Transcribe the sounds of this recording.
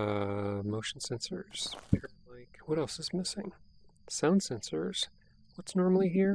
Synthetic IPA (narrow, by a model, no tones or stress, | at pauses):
ʌmoʊʃn̩sɛ̃nsə˞z̥pʰɛɹlaɪkwʌɾɛlˠsɨzmɪsɪ̃ŋ | sãʊ̃nd̥sɛ̃nsə˞z̥ | wʌtsnɔɹml̩ˠiɦiɹ